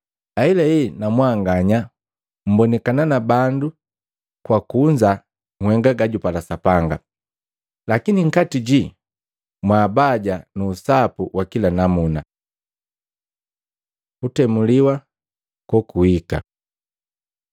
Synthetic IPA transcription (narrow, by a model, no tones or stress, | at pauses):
ailaɛnamwaːŋɡaɲa | m̩bɔnɛkananabandu | kwakuɲd͡ʒa | ŋhwɛŋɡaɡaɟupalasapaŋɡa̰ | lakiniŋ̩katiɟi | mwaːbaɟanuːsapuwʔakilanamuna | kutɛmuliwa | kɔkuhika̰